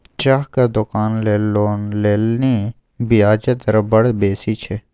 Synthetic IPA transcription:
t͡ʃaɦkad̪ʊkaːnleːlonleːlni | bijaːd͡ʒət̪əɾbɐɽbeːsiːt͡ʃʰe

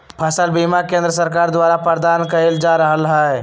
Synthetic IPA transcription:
pʰəsəlbimakẽːnd̪ɾəs̬əɾkaːɾd̪waːɾapəɾd̪aːnkɐɾeld͡ʒaːɾəɦəlɦaɛ

